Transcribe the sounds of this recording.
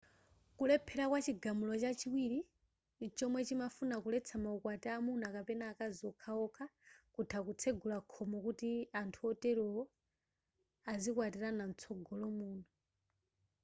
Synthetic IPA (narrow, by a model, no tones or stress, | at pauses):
kulɛpʰɛɾakwat͡ʃiɡamulɔt͡ʃat͡ʃiwiɾi | t͡ʃɔmwɛt͡ʃimafunakulɛt͡sʰamaukwatɛamunakapɛnaːkaziɔkʰaɔkʰakutʰakut͡sʰɛɡʱulakʰɔmɔkutiantʰuɔtɛɾɔɔ | azikwatiɾanan̩t͡sʰɔɡʱɔlɔmuːna